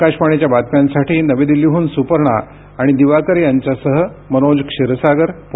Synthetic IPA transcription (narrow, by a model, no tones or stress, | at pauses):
kaɕpaɳ̃et͡ɕjabat̪̚pjansaʈʰiːnəʋed̪iliɦuːnsupəɾɳaː | ɽ̃id̪iʋakəɾjaɲt͡ɕasəɦəmənod͡zkʂiɾəsaɡəɾp